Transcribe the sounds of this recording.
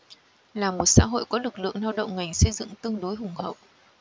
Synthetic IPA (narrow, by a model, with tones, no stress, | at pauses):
laː˨˩mo˨˩t̚sa̰ː˧˥ɦo̰˧˨jkɔ˨˦lɨ˨˩k̚lɨ̰˧˨əŋnaː˧wɗə̰˧˨wŋ͡mŋa˨˩jŋ̟sə˧jzɨ̰˧˨ŋt̪ɨ˧əŋɗo˨˦jɦʊ˨˩ŋ͡mhə̰˧˨w